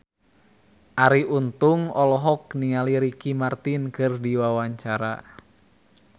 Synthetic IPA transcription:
ʔaɾiʔunt̪ʊŋɔlɔɦɔk̚niŋaliɾikimart̪inkɨrdiwawaɲt͡ʃaɾa̰

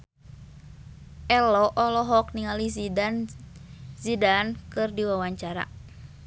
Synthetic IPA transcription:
ʔɛlɔʔɔlɔɦɔk̚niŋali | zidankɨrdiwawaɲt͡ʃaɾa̰

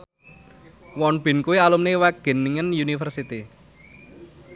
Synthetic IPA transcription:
wɔnb̥ɪ̤nkuwialumnewaɡ̥e̤niŋənjunifərsit̪i

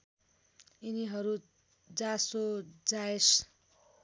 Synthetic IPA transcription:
iniɦʌɾu | d͡zasod͡zaes

